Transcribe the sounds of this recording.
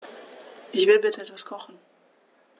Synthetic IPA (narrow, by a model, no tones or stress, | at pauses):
ʔɪçv̥ɪlbɪtʰəɛtvaskʰɔχn̩